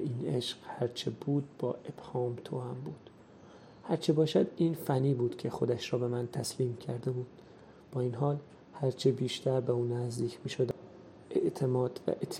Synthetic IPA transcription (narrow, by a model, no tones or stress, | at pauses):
iːneʃɢhæɾt͡ʃʰebuːd̪̚bɒ̰ːʔe̞b̥hɒːmt̪ʰohæmbuːd̪̥ | hæɾt͡ʃʰebɒːʃæd̪iːnfænːiːbuːd̪̥cʲʰe̞xo̞d̪æʃɾɒːbe̞mænt̪ʰæsliːmcʰæɾd̪e̞buːd̪̥ | b̥ɒːiːnɦɒːl | hæɾt͡ʃʰebiːʃt̪ʰæɾbeuːnæzd̪iːcʰmiːʃod̪æ | eʔt̪ʰemɒːd̪̥væ̰ʔet̪ʰː